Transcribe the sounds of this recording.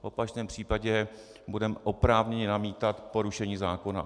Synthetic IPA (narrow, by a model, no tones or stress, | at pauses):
vopat͡ʃnɛːmpr̝̥iːpaɟɛ | budɛmɛʔopɾaːvɲɛɲɛnamiːt̪at̪po̞ɾuʃɛɲiːzaːko̞na̰